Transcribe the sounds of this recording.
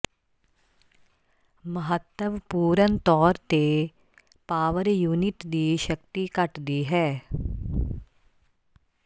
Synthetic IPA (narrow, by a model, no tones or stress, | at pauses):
məɦət̪ːəʋpuːɾənt̪ɔːɾt̪e | paːʋəɾjuːnɪʈd̪iːʃəkt̪ikɐʈd̪iɦɛː